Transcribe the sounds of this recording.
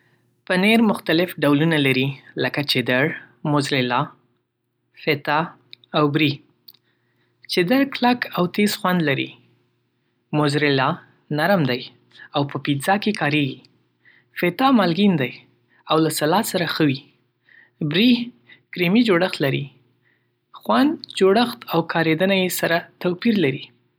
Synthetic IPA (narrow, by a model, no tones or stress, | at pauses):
pəneɾmʊxt̪alɪfɖawlunalaɾiləkat͡ʃɪd̪əɽ | mʊzɾɪlɑ | fet̪ɑ | awbɾi | t͡ʃɪd̪əɽklakawt̪esxwand̪laɾḭ | mʊzɾɪlɑ | naɾmd̪aj | awpəpizɑkekʰɑɾeɡi | fet̪ɑmɑlɡind̪aj | awlasalɑsaɾaxəwi | bɾih | kɾimid͡ʒoɽəxt̪laɾḭ | xwand̪d͡ʒoɽəxt̪awkʰɑɾed̪ənajesaɾat̪awpiɾlaɾi